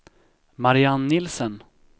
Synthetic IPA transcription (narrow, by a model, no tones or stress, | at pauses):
maɾɪanːɪlsən